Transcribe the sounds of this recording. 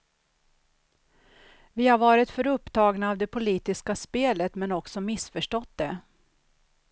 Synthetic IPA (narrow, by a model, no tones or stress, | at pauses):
vɪhaɾvɑːɾɪt̪fœɾɵpːt̪ʰɑːɡnaːvd̪ɛpʰʊliːt̪ɪskaspeːlət̪mɛnɔksɔmɪsfœʂʈɔt̪̚d̪ɛ